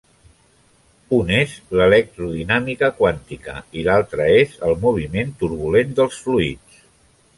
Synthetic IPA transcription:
unezlələk̚t̪ɾuðinamikəkwant̪ikə̰ilalˠt̪ɾəezəlˠmuβ̞iment̪uɾβulend̪əlˠsfluḭt͡s

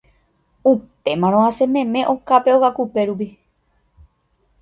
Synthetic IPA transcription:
upe̞mãɾ̃õãsẽ̞mẽ̞mẽ̞ʔo̞kape̞oɣakupe̞ɾup̬i

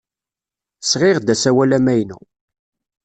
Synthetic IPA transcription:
sʁɪʁd̪æsæwælæmæjnṵ

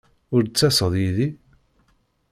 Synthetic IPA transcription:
ʊɾt͡sːæsəðˤjiði

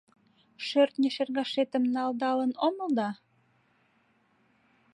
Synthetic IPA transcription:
ʃørt̪nʲeʃerɣɑʃet̪ə̆mnɑld̪ɑlənoməld̪ɑ

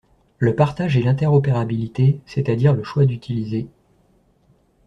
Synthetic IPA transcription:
ləpaʁt̪aʒɛlɛ̃t̪ɛʁɔpeʁabilit̪eset̪ad̪iʁləʃwad̪yt̪ʰilize

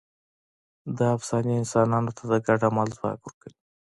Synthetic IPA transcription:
d̪əafsɑniɪnsɑnɑnot̪ʰad̪əɡaɖamɑlzwɑ̰kwəɾkəwi

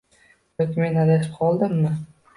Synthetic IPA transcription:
okʲɪme̞nad̪at̪ʰɪ̥p̚qʰɒlˠd̪ɪmːɪ

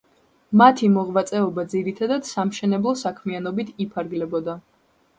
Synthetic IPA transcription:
mat̪ʰimɔʁvat̪sʼɛɔbad̪ziɾit̪ʰad̪ad̪̥samʃɛnɛblˠɔsakʰmianɔbit̪ʰipʰaɾɡlɛbɔd̪a

